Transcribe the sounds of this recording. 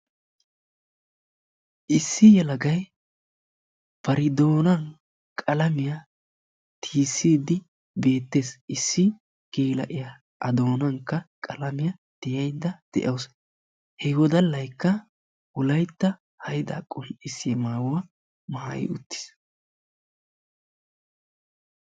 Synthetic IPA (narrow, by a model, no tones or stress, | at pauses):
ʔɪsːɪjɛlɐɡɐj | b̥ɐɾɪd̪o̞ːnɐn | kʼɐlɐmɪja | t̪ʰiːsːiːd̪ɪ | be̞ːt̪ːe̞ːsɪsːɪ | keːlɐ̰ʔɪja | ʔɐ̰d̪o̞ːnɐnkːɐkʼɐlɐmɪjɐ | t̪ɪjɐjd̪ːɐd̪̥ɛ̰ʔɐws | hɛwɔd̪ɐlːɐjkːɐ | wʊlɐjt̪ːɐ | hɐjd̪a̰ːkʼʊlʔɪsɪɛmaːwʊwɐ | maːjɪ̰ʊ̰t̪ːɪ̥s